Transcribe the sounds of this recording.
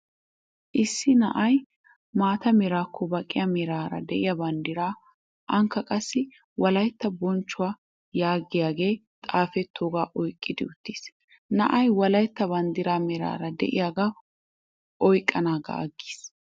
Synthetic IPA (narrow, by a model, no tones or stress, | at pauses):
ʔɪsːɪnɐ̰ʔɐj | maːt̪ɐmɛɾaːkʰːɔbɐkʼːɪjɐmɛɾaːɾɐ̰d̪ɛʔɪjɐbɐnd̪ɪɾaː | ʔɐŋkːɐkʼɐsːɪ | wɐlɐjt̪ːɐbɔnt͡ʃːʊwaː | jaːɡɪjaːɡe̞ː | t̪ʼaːfɛt̪ʰːoːɡaːʔɔjkʼːɪd̪ɪʊt̪ːiːs | nɐʔɐjwɐlɐjt̪ːɐbɐnd̪ɪɾaːmɛɾa̰ːɾɐd̪ɛ̰ʔɪ̰jaːɡaː | ʔɔjkʼːɐnaːɡɐ̰ʔɐ̰ɡːi̥ːs